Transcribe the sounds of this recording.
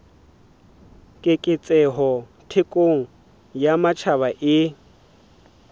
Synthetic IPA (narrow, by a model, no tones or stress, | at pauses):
kʼɪkʼɪt͡sʼɛɦɔ | tʰɪkʼoŋ̩ | jamat͡ʃʰaβaʔɪ